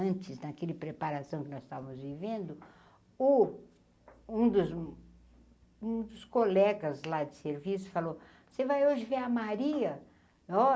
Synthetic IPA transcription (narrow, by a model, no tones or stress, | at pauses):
ɐ̃nt͡ʃɪznɐkelɪpɾepaɾasɐ̃w̃kɪnɔz̥st̪avɐmʊzvivẽnd̪ʊ | ʊ | ũd̪ʊz | ũd̪ʊskolɛɡɐzlad͡ʒɪseɾvisʊ̥falo | sevajoʒɪveɐmaɾiɐ | ɔ